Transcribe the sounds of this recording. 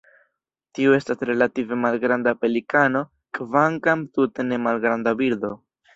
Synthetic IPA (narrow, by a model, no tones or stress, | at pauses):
tiue̞stasɾe̞lative̞malɡɾandape̞likano̞ | kvaŋkamtute̞ne̞malɡɾandabiɾdo̞